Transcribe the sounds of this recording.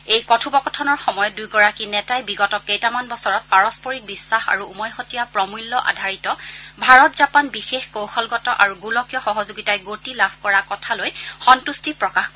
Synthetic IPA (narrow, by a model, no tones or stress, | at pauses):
ejkɔtʰubɔkɔtʰɔnɔɹxɔmɔjɔdujɡɔɹakinɛtajbiɡɔtɔkejtamanbɔsɔɹɔt̚paɹɔspɔɹik̚bisːaxa̰ɹuumɔjxɔtijapɹɔmulːɔʔa̰dʱaɹitɔbʱaɹɔtzapanbixexkowxɔlɡɔtɔʔaɹuɡulɔkijɔxɔɦɔzuɡitajɡotilabʱkɔɹakɔtʰalojxɔntustipɹɔkaxk